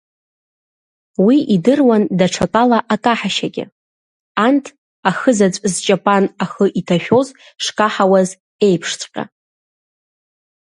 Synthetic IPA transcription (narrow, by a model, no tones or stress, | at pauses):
wiʔidɨrwandaʈ͡ʂʰakʼalaʔakʼaħaʃaɡʲɪ̰ | antʰ | axəzat͡ɕʷʼzt͡ʃʼapʼanaχəʔitʰaʃᶣo̞z | ʂkʼaħawaz | e̞jpʰʂt͡sʷʼqʲʼa̰